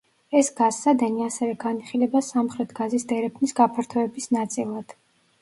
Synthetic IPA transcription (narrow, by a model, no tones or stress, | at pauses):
ɛsɡazːad̪ɛniasɛvɛɡaniχilɛbasamχɾɛt̪ʰɡazisd̪ɛɾɛpʰnisɡapʰaɾt̪ʰɔɛbisnat̪sʼilˠad̪̥